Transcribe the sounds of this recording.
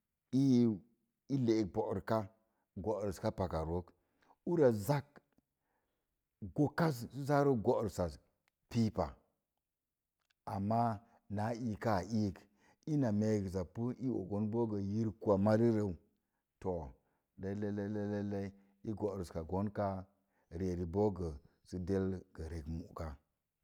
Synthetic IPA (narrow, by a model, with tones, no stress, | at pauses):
i˦ | i˦le˨k̚bo˨ɾka˦ | ɡo˨ɾska˦pa˨ka˨ɾo˦k | u˦ɾa˨za˦k | ɡo˦ka˦s̬su˦za˦ɾo˦ɡo˦˨ɾsa˨ | pi˦pa̰˨ | a˨mːa˦ | na˨˦i˨ka˦˨i˦˨k | i˦na˨me˨ɡza˨pːu˦i˦wo̰˨ɡo˦nbo˦ɡə˨ji˦ɾku˦a˨ma˦ɾi˦ɾe˨u˨ | to˨ | de˦le˦le˦le˦le˦le˦ | i˦ɡo˨ɾu˨ska˨ɡo˦nka˦ | ɾe˨ɾi˨bo˦ɡə˨ | si˨de˦lɡ̥ə˨ɾe˨kmṵ˨ka˨